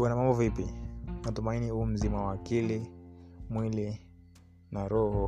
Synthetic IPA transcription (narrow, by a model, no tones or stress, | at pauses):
wanamambɔvipimatumainihum̩zimawakilimwili | naɾɔhɔ